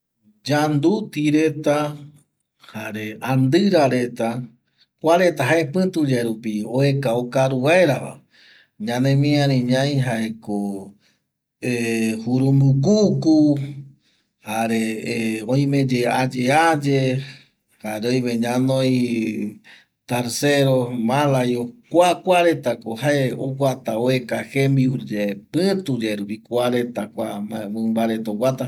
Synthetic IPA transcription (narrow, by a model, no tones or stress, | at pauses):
d͡ʒand̪ut̪iɾe̞t̪a | haɾe̞and̪ɨɾaɾe̞t̪a | kʷaɾe̞t̪aɦaepɨ̃t̪ud͡ʒaɾupioekaokaɾuaeɾaʋa̰ | ɲãnẽmĩãɾĩɲãj̃ɦaeko | ehuɾumbukuku | haɾeõĩmẽd͡ʒead͡ʒead͡ʒe | haɾojβeɲãnõj | t̪aɾseɾomãlajokʷakʷaɾet̪akohaeoɡʷat̪aoekahembiud͡ʒepɨ̃t̪ud͡ʒeɾupikʷaɾet̪akʷamamɨ̃mbaɾet̪owʷat̪a